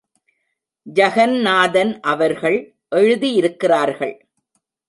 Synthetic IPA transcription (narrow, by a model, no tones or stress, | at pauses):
d͡ʒɐɣɐnnaːðɐnʔɐʋɐɾɣɐɭ | ʔɛɻɯðijɪɾɯkːɪraːɾɣɐɭ